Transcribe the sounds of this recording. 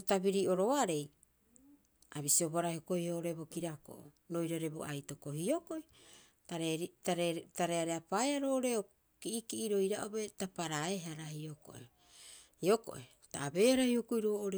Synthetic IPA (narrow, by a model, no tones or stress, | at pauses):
otabiɾiʔo̞ɾo̞aɾe̞j | aβisioboaɾaihokojhoʔoɾebo̞kiɾako̰ʔo̰ | nojɾaɾebo̰ajto̞ko̞hio̞ko̞j | taetataɾeaɾeapaeaɾoːʔɾeo | kiʔikiʔːɾo̞jɾaʔobetapaɾaeɦaɾahioko̞̰ʔḛ | hioko̞̰ʔe | taːbe̞ːhaɾahiokojɾoːʔoɾe